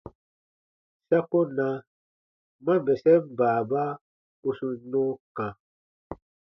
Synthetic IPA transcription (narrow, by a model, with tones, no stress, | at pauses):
sa˦ko˦na˨˦ | ma˦vɛ˨sɛ˦m˨baː˨ba˦ | u˦su˦nɔ̃˦kã˨